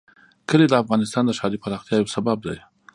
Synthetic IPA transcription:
kəled̪əafɣɑnɪst̪ɑnd̪əʃɑd̪ipaɾɑxt̪jɑjawsabab̚d̪a̰j

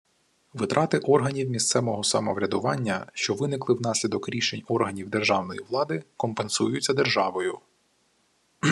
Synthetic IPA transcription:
ʋɪt̪ɾʔɑt̪ɪʔɔrɦɐnʲiwmʲist̪sɛmɔɦɔsɐmɔʋɾʲɐd̪ʊʋɑnʲːɐʃt͡ʃɔʋɪnɪklˠɪwnɑsʲlʲid̪ɔkɾʲiʃenʲɔrɦɐnʲiwd̪erʒɑwnɔjiʋlˠɑd̪ɪkɔmpe̞nsujʊt͡sʲːɐd̪erʒɑʋɔjʊ

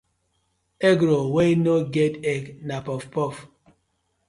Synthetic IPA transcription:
eɡɾowenoɡetɛknapɔfpɔf

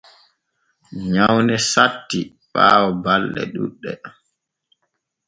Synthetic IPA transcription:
ɲawnɛsatːi | ɓaːwɔbalːɛ̰ɗuɗːɛ

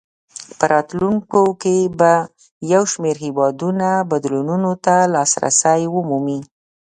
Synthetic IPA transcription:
pəɾɑt̪luŋkokeba | jawʃmeɾhɪwɑd̪unabad̪lonunot̪alɑsɾa̰sajwəmumi

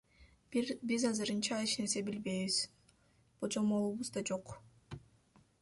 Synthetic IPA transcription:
bizɑzɯɾɯnt͡ʃɑiʃnese̞bilbe̞jβiz̥ | b̥od͡ʒomolˠuβuzd̪ɑd͡ʒo̞q

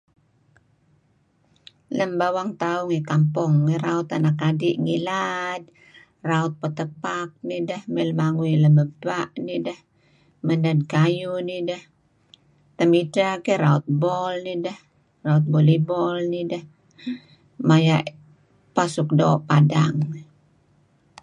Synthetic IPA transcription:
ləmbawaŋt̪auŋikampɔŋːiɾaut̪anakadiʔŋilad̚ | raɔt̪̚pət̪əpak̚nidəhmɛlmaŋuiləməb̚tuaʔnidəh | mənad̚kajunidah | t̪əmidakɛɾaut̪̚bɔlnidah | raut̪̚bɔlibɔlnidah | majaʔ | pasuk̚do̰ːʔpadaŋ

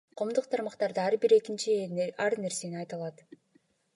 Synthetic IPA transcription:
qʰo̞ːmd̪uqt̪ʰɑɾmɑqt̪ɑɾd̪ɯɑɾbiɾe̞kint͡ʃiɑɾne̞ɾse̞niɑjt̪ɑlˠɑt̪

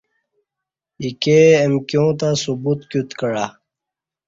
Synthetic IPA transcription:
ikeːmkjõːt̪ãsubut̪kut̪kəɽa

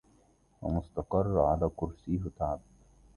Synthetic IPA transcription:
wa̰mʊst̪ɑqɑrˤːʕa̰laːkʊɾsiːɦʊt̪aʕb̚

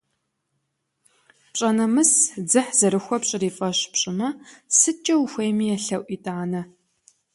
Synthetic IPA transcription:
pɕʼɐnɐmɨsd͡zɨħzɐɾɨxʷɔpɕʼɪriːfʼɐɕpɕʼɪmɐsɨt͡ʃʼɐwxʷejmiːjɛɬɐwʷʔʷiːtʼaːnɐ

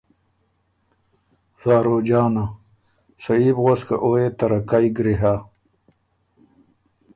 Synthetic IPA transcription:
z̥aːɾoːd͡ʑaːna | sɐiːbɣoska̰ʔoːet̪ɐɾɐkajɡɾiɦa

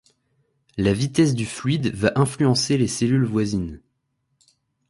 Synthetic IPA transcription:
lavit̪ɛs̬d̪yflɥid̪vaʔɛ̃flyɑ̃seleselylvwazin

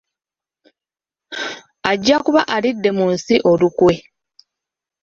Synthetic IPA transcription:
aɟːakuβaʔalidːe̞munsiʔo̞lukwe̞

